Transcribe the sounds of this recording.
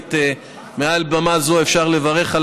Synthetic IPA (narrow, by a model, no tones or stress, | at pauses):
t̪ | mealbamazo̞efʃaʁlevaʁe̞χal